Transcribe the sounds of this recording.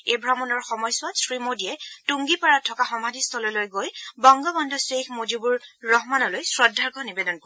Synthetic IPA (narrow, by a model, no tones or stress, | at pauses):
ejbʱɹamɔnɔɹxɔmɔjswasɹimodijɛtuŋɡipaɹatʰːɔkaxɔmadʱist̪ʰɔlɔlojɡojbɔŋɡɔbɔndʱɔsexmod͡ʒubuɹːɔɦmanɔlojsɹɔdʱːaɹkʰɔnibedɔnkɔɛ